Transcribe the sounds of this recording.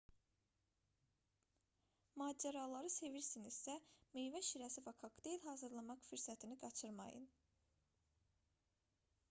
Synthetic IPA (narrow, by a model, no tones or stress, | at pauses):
mɑːd͡ʒeɾɑlˠɑɾɯse̞viɾsinizsæmejvæʃiɾæsivɑkʰɑkd̪eilɦɑːzɯɾlˠɑmɑqfyɾsæt̪ʰiniɡɑt͡ʃʰɯɾmɑ̰jɯ̰n